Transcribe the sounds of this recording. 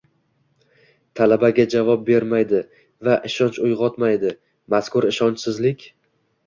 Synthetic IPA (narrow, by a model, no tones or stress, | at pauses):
t̪ʰalabaɡʲad͡ʒavɒp̚be̞ɾmajd̪ɪ | vaʔɪʃɒnt͡ʃʊjʁɒt̪majd̪ɪ | maskʊɾɪʃɒnt͡ʃsɪzlɪkʲ